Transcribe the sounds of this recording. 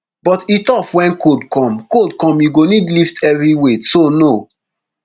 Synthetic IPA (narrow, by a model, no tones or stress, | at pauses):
b̥ɔtitɔpwɛ̃nkodkɔ̃mkodkɔ̃mjiɡonidliftʰɛvɹiwesono